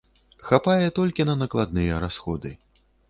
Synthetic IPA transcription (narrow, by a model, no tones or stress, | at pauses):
xapajɛt̪ɔlʲkʲinɐnɐklˠad̪̚nɨjɛɾasxɔd̪ɨ